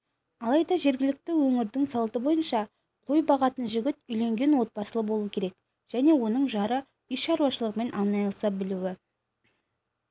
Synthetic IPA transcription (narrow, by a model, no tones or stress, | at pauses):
ɑlˠɑjd̪ɑʒe̞ɾɡʲɪlɪk̚t̪ɪwɵŋɪɾd̪ɪŋsɑlˠt̪əbo̞jənʃɑ | qʰo̞jbɑʁɑt̪ənʒʏɡʲɪt̪ʏjle̞ŋɡʲe̞nwo̞t̪̚pɑsəlˠəbo̞lˠuəkʲʰe̞ɾek̚ | ʒ̥æne̞wo̞nəɴʒɑɾə | ʏjʃɑɾuwɑʃəlˠəqme̞nʔɑnɑjlˠsɑbɪluwɪ